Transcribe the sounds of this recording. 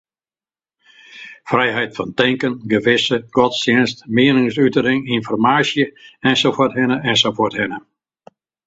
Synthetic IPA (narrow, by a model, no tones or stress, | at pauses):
frɛjɦɛjtfɔntɛŋkənɡəʋɪsəɡ̥ɔtstɪnstmɪənɪŋsytəɾɪŋinfɔrmaːsjəɛnsofotɦɪnəɛnsofoərthɪnə